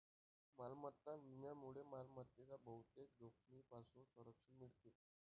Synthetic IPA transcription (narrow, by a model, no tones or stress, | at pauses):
malmət̪ːamimjamuɭemalmət̪ːet͡sabəɦut̪ek̚d̪okʰniːpasũnsəɾəkʂəɳmiɭt̪e